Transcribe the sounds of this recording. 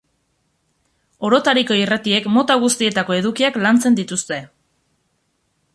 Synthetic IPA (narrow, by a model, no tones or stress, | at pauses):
o̞ɾo̞t̪aɾiko̞irat̪ie̞kmo̞t̪aɣ̞ust̪ie̞t̪ako̞e̞ðukiaklant͡se̞nd̪it̪ust̪e̞